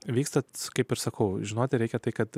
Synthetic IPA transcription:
ʋʲiːkst̪ɐkɐɪpɪɾsɐkɐʊʒʲɪnoːt̪ʲɪɾʲɛɪkʲɛt̪ɐɪkɐt̪

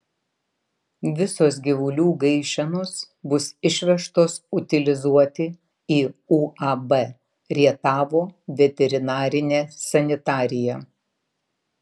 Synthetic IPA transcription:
ʋʲɪsoːs̬ɡʲɪʋʊlʲuːɡɐɪʃʲɛnoːs | bʊsɪʃʲʋʲɛʃt̪oːsʊt̪ʲɪlʲɪzuɔt̪ʲɪ | iːuːʔɐbɛ | ɾʲiɛt̪ɑːʋoːʋʲɛt̪ʲɛɾʲɪnɑːɾʲɪnʲeːsɐnʲɪt̪ɑːɾʲɪjɛ

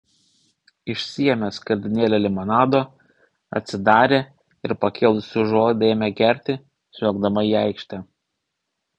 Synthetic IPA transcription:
ɪʃʲsʲijɛmʲɛskɐɾʲd̪ʲɪnʲeːlʲɛlʲɪmɐnɑːd̪oː | ɐ̰t̪ʲsʲɪd̪ɑːɾʲeː | ɪɾpɐkʲɪlˠsʲʊʒoːd̪ʲeːmʲɛkʲɛɾʲt̪ʲɪ | sʲuːɡd̪ɐmɐiːɑˑɪkʃʲt̪ʲɛ

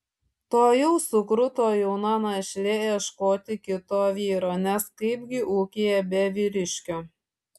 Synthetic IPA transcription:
t̪oːjɛʊsʊkɾʊt̪oːjɛʊnɐnɐʃʲlʲɛɛʃkoːt̪ʲɪkʲɪt̪oːʋʲiːɾoːnʲɛskɐɪbʲɡʲɪʔuːkʲejɛbʲɛʋʲiːɾʲɪʃʲkʲoː

